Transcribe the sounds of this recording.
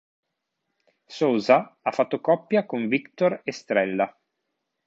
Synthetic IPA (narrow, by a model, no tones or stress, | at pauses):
soːzaafːat̪ːokɔpːjakoɱvikt̪orest̪ɾɛlːa